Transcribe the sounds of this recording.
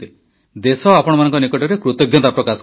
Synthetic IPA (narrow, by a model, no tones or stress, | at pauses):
e | d̪esɔapɔɽ̃ɔmanɔŋkɔnikɔʈɔɾekɾut̪ɔɡjɔt̪apɾɔkas